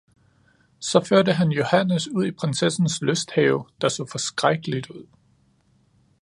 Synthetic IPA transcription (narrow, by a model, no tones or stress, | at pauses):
sɒ̽føɐɾəɦænjo̝hænəsuð̞̰ˠipʰʁansesn̩sløsd̥hɛʊd̥ɑ̈so̰ːfɒ̽sɡ̥ʁaɡ̥əlid̥uð̰ˠ